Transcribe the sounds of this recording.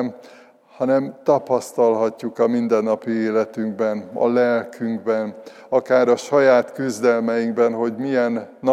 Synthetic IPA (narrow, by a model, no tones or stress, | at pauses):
m | hɒnɛmt̪ɒpɒst̪ɒlɦɒcːukɒmind̪ɛnːɒpieːlɛt̪yŋɡbɛnɒ̰lɛlkʰyŋɡbɛn | ɒkaːɾɒʃɒjaːt̪kyzd̪ɛlmɛjiŋɡbɛnɦo̞ɟmijɛnːɒ